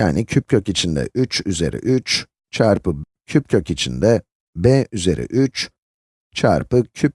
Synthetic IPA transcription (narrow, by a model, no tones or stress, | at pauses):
ja̰ːnicʰyp̚cʰøcit͡ʃʰind̪ɛ̰ʔyt͡ʃyze̞̰ɾʔḭʔyt͡ʃ | t͡ʃʰaɾpɯ | cʰyp̚cʰøcit͡ʃʰind̪ɛ | bɛyze̞ɾʔḭʔyt͡ʃ | t͡ʃʰa̰ɾpɯcʰyp̚